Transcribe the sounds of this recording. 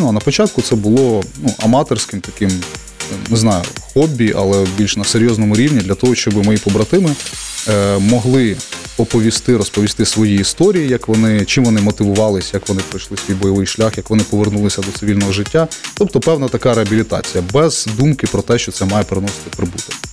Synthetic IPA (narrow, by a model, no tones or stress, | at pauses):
nɐnɐpɔt͡ʃɑt̪̚kʊt̪sɛbʊlˠɔnuʔɐmɑt̪ersʲkɪmt̪ɐkɪm | neznɑjʊ̰xɔbʲːiʔɐ̰lˠɛbʲilʲʃnɐseɾʲjɔznɔmʊɾʲiwnʲid̪lʲɐt̪ɔɦɔʃt͡ʃɔbɪmɔjipɔbɾɐt̪ɪmɪ | mɔɦlˠɪpɔpɔʋʲist̪ɪɾɔspɔʋʲist̪ɪsʋɔjiːst̪ɔɾʲijijɐkʋɔnɪt͡ʃɪmʋɔnɪmɔt̪ɪʋʊʋɑlˠɪsʲjɐkʋɔnɪpɾɔjʃlˠɪsʲʋʲijbɔjɔʋɪjʃlʲaxjɐkʋɔnɪpɔʋernulˠɪsʲɐd̪ɔt̪sɪʋʲilʲnɔɦɔʒɪtʲːat̪ɔp̚t̪ɔpɛwnɐt̪ɐkɑɾeɦɐbʲilʲit̪ɑ̰t͡sʲijɐbɛz̥d̪umkɪpɾɔt̪ɛʃt͡ʃɔt̪sɛmɑjɛpeɾenɔsɪ̥t̪ɪpɾɪbut̪ɪ